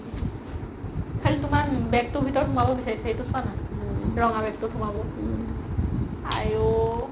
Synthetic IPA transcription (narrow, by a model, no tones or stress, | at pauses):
kʰaltumanbɛk̚tubʱitɔɹtʰumabɔbisaɹisʰaejtusʰanaɹɔŋabɛk̚totʰumabɔ | a̰ɹu